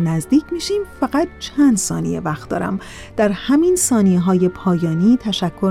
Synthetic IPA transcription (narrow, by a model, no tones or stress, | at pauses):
næzd̪iːcʰmiːʃiːmfæɣæt̪̚t͡ʃʰænd̪sɒːnḭjḛvæxt̪̚d̪ɒ̰ːɾæ̰m | d̪̥æɾhæminsɒːnijeɦɒːje̞pʰɒːjɒːniːt̪ʰæʃækʰːoɾ